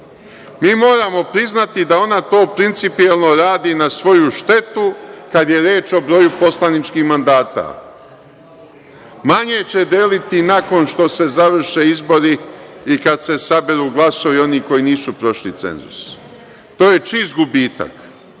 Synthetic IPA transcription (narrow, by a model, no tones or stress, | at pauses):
miːmo̞ːɾamo̞pɾiznat̪id̪ao̞nat̪o̞ːpɾint̪sipielˠno̞ɾaːd̪inasʋo̞juʃt̪e̞t̪ukad̪je̞ɾje̞ːt͡ʃo̞bɾo̞jupo̞slanit͡ʃkixmand̪aːt̪a̰ | maɲe̞t͡ɕe̞d̪jeːlit̪inako̞nʃt̪o̞se̞zaʋr̩ʃe̞ːizbo̞ɾiikad̪se̞sabeɾuːɡlˠaso̞ʋio̞niko̞jiniːsupɾo̞ʃlit̪sḛnzṵs | t̪o̞ːje̞t͡ʃis̬t̪̚ɡubiːt̪a̰k